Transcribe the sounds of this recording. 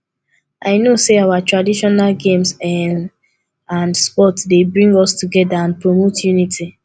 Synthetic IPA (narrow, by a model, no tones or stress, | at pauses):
aɪnoseawatɹadiʃɔnalɡẽms | ãndspɔtsdebɹĩŋɡɔstuɡɛdaãnpɹomotjunitʰi